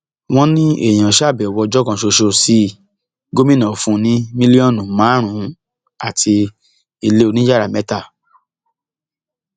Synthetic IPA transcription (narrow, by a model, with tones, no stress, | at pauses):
w̃ɔ̃˦nĩ˦ḛ˦˨j̃ã˨ʃa˦˨bɛ˨wɔ˧d͡ʒɔ˦kã˧˨ʃo˧ʃo˧si˦ | ɡo˦mĩ˦nã˨fũ˦˧nĩ˦mĩ˦li˦ɔ˦˨nũ˨mãː˨˦ɾ̃ũ˨˦ | a˨tʰi˧ | i˧le˦o˧nĩ˦d͡ʒa˦ɾa˨mɛ˨˦ta˦˨